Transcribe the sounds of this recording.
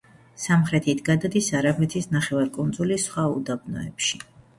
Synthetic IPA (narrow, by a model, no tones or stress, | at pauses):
samχɾɛt̪ʰit̪ʰɡad̪ad̪isaɾapʰlɛt̪ʰisnaχɛvaɾkʼund̪zulisχwaṵd̪abnɔ̰ɛ̰pʃi